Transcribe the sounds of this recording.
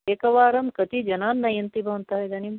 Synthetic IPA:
ekɐʋaːɾɐmkɐt̪id͡ʒɐnaːnːɐjɐnt̪ibʱɐnt̪aɦɐjd̪ɐnim

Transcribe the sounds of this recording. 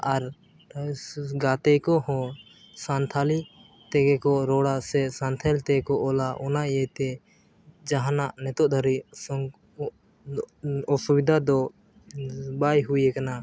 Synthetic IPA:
aɾ | ɡat̪ɛjkɔɦɔ̃ | sant̪ʰali | t̪ɛɡɛkɔɾɔɽaʔsɛsant̪ʰalt̪ɛkɔʔɔlaʔɔnaɛt̪ɛ | d͡ʒaɦanaʔnɛt̪ɔʔ̚d̪ʱaɾisɔŋ | ɔsubid̪ʱad̪ɔ | bajɦujɛkana

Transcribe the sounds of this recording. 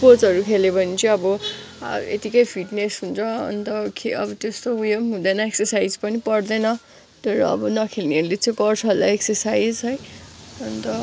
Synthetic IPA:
pot͡sʌɾukʰelebʱʌnit͡sʌ̃ʌbʌ̰ | ḛt̪ikʌjpʰiʈnesɦunt͡sʰʌʌ̰nt̪ʌkʰeʌ̰bʌt̪est̪oujʌmɦũd̪ʌnʌeksʌrsajd͡zpʌnipʌrd̪ʌnʌ | t̪ʌɾṵʌ̰bʌnʌkʰelneʌɾulet͡sʌ̃ĩkʌrsʰʌla̰eksʌrsajd͡zɦʌjʌnt̪ʌ

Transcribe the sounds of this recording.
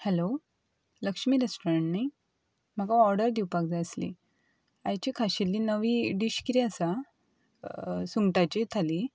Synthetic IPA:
hɛlo | ləkʂmiːɾasʈoɾə̃ɳʈnaj | m̤aɡaɔɾɖəɾd̪iwpakd͡zaəslḭ | ajt͡ɕikʰaɕilːiːnəʋiːɖiɕkiɾiəsa | suŋɡʈat͡ɕit̪ʰaliː

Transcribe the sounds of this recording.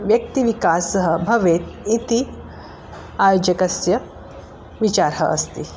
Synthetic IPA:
ʋjək̚t̪iʋikasəɦəbʱɐʋet̪̚it̪i | ajod͡ʒəkɐsjɐ | ʋit͡ɕaɾɦə̰ʔə̰st̪i

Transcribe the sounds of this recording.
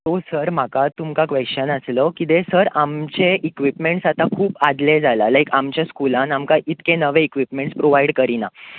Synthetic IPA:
t̪osəɾm̤akat̪umkakʋeɕənəsləkit̪esəɾamt͡ɕeʔikʋipmeɳʈsat̪ãkʰuːpad̪led͡zʱalalajkamt͡ɕjaskulãnamkaʔit̪kẽnəʋẽikʋipmẽɳʈspɾoʋaiɽkəɾina

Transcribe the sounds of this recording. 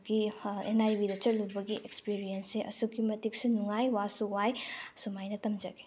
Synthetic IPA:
ɡiḛnajbidɐt͡ʃɐlubɐɡiʔekspiɾijɐnseʔɐ̰sukimɐtik̚sunuŋajwasuwajsumajnɐtɐmd͡ʒɐɡe̥

